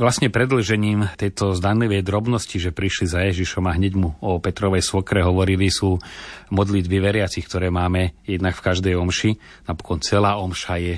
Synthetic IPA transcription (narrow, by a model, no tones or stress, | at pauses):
ʋlasɲɛpɾɛd̪l̩ʒɛɲiːmt̪ɛjt̪ɔzd̪anliʋɛjd̪ɾɔbnɔsciʒɛpɾiʃlizajɛʒiʃɔmaɦɲɛɟmuɔpɛt̪ɾɔʋɛjsʋɔkɾɛɦɔʋɔɾilisuːmɔd̪lid̪biʋɛɾɪat͡sixkt̪ɔɾɛːmaːmɛjɛd̪nakfkaʒd̪ɛjɔmʃi | napɔ̥kɔnt͡sɛlaːɔmʃajɛ